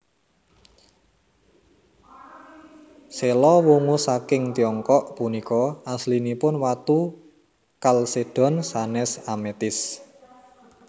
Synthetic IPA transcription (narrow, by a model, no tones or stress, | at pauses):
selɔwuŋusakɪŋt̪iɔŋkɔʔpunikɔaslinipʊnwat̪u | kalsed̥ɔ̤nsanɛsamet̪ɪs